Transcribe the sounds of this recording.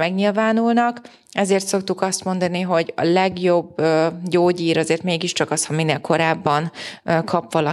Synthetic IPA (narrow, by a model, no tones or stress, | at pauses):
mɛɡɲilvaːnulnɒk | ɛzeːrt̪so̞k̚t̪ukɒst̪mo̞nd̪ɒniɦo̞ɟɒ̰lɛɡjo̞bøɟoːɟiːɾɒzeːrt̪meːɡiʃt͡ʃɒkɒshɒminːeːlkʰo̞ɾaːbːɒnkʰɒpʋɒlɒ